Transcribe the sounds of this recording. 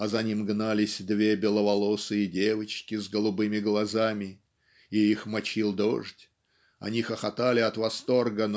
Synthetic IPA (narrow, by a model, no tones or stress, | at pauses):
ɐzɐnʲimɡnalʲɪsʲd̪vʲe̞bʲɪlˠəvɐlˠosɨidʲevət͡ɕkʲɪzɡəlˠʊbɨmʲɪɡlˠɐzamʲɪ | iixmɐt͡ɕilˠd̪o̰ʐtʲ | ɐ̰nʲixəxɐt̪alʲɪɐt̪vɐst̪o̞rɡən